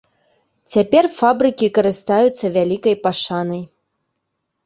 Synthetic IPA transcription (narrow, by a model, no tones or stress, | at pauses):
t͡sʲapʲɛrfabɾɨkʲikɐɾɨst̪ajut̪sːɐvʲalʲikɐjpaʂanɐj